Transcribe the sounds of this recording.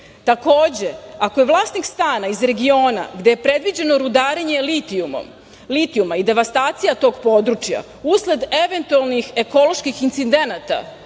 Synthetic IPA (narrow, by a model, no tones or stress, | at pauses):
t̪ako̞ːd͡ʑe̞akoje̞ʋlˠaːsnikst̪aːnaizɾe̞ɡio̞ːna̰ɡd̪ejepɾe̞d̪ʋid͡ʑe̞no̞ɾud̪aːɾeɲe̞liiuo̰m | lit̪iumaid̪e̞ʋast̪aːt̪sijat̪o̞ːɡpo̞d̪ɾut͡ʃja̰ | usle̞d̪e̞ʋe̞nt̪ualnixe̞ko̞lo̞ʃkixint̪sid̪e̞nat̪a̰